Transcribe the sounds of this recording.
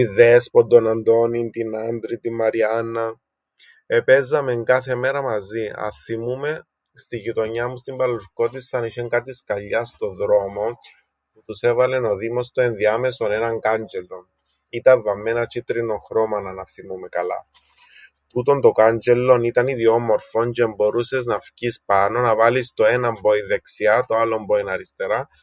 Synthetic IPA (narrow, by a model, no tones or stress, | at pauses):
iðespod̪onɐnd̪o̞nint̪inand̪ɾit̪imːɐɾiɐnːɐ | epe̞zːɐmeŋkɐθe̞me̞ɾɐmɐziɐ̰θimume̞ | st̪iʝit̪o̞ɲːɐmust̪imbɐlːuɾko̞t̪isɐniʃeŋkɐt̪iskɐʎːɐst̪o̞ðɾo̞mo̞ | put̪use̞vɐle̞no̞ðimo̞st̪o̞enðiɐme̞so̞ne̞nɐŋɡand͡ʒelːo̞n | it̪ɐɱvːɐmːenɐt͡ʃit̪ɾino̞xɾo̞mɐnɐnɐθimumekɐlɐ̰ | t̪ut̪ont̪o̞kand͡ʒe̞lːo̞nit̪ɐniðio̞mo̞ɾfo̞nt͡ʃeembo̞ɾuse̞znɐfcispɐno̞nɐvɐlist̪o̞enɐmboiðe̞ksiɐt̪oalːo̞mboinɐɾist̪e̞ɾɐ